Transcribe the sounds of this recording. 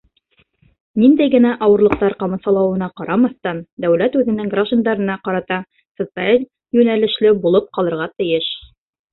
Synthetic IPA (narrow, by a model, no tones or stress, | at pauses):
nind̪æjɡɘ̆næʔɑwɤ̆ɾlˠɤ̆q̚t̪ɑɾqɑmɤ̆sɑlˠɑwɤ̆nɑqɑɾɑmɑθt̪ɑnd̪æwlæt̪ʉðɘ̆nɘŋɡraʒd̪and̪ɑɾɤ̆nɑqɑɾɑt̪ɑ | sŏt̪sɨalʲ | jʉnælɘ̆ʃlɘbulˠɤp̚qɑlˠɤ̆ɾʁɑt̪ɘ̆jɘʃ